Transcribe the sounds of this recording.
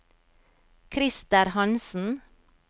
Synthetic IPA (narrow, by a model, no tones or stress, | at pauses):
kʰɾɪst̪əɾhɑnsn̩